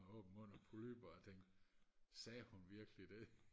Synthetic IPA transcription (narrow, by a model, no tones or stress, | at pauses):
ɔ̽ːb̥m̩ɔ̽n̰ɐpʰolyb̥ɐːt͡sʰeŋ̰ɡ̥sɛːhunʋiɐɡ̥əlid̥e̝